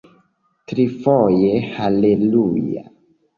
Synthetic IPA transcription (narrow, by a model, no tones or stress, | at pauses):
tɾifojehaleluja̰